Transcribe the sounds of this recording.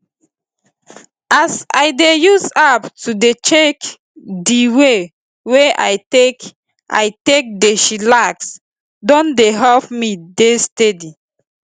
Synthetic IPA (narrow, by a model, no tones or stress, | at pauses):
asa̰ɪdejuzaptudet͡ʃek | diwe | weʔa̰jtek | ʔa̰jtek̚deʃilaks | dɔ̃ndeɦɛlpmidestedi